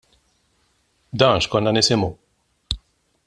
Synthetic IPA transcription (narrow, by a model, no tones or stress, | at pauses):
d̪ɐːnʃkɔnːɐnɪsɪmu